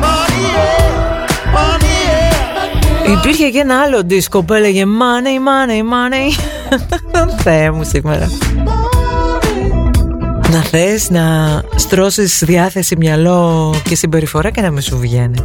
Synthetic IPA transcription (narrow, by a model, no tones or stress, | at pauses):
ipiɾçecenɐɐlo̞d̪isko̞pelɐʝemɐneimɐneimɐne | onθemusimḛɾɐ̰ | nɐθe̞snɐst̪ɾo̞sisðiɐθe̞simɲɐlo̞cesibe̞ɾifo̞ɾɐce̞nɐmisuvʝe̞ni